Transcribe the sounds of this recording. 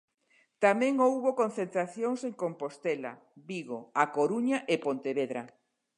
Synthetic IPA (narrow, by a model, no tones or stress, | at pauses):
t̪amẽŋowβokõn̟θent̪ɾaθjoŋseŋkompost̪ela̰ | βiɣoakoɾuɲaʔepont̪eβeðɾa